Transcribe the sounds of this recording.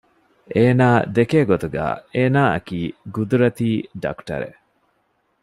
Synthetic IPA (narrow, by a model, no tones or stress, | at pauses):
ʔeːnaːd̪ekeːɡot̪uɡa̰ːeːnaːɐ̰kiːɡud̪uɾɐt̪iːɖɐ̰kʈɐ̰ɾḛ